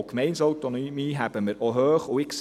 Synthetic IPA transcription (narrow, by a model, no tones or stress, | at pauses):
kmɛɪnsɔwt̪ɔnymiːɦæb̥əməɾʔɔɦøːχuɪks